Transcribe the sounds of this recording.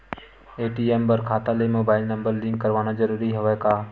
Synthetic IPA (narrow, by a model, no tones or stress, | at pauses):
eːʈiːembəɾkʰaːt̪alemoːbaːɪlnə̃mbəɾlɪ̃ŋɡkəɾʋaːnad͡ʒəɾuːɾiɦoʋekaː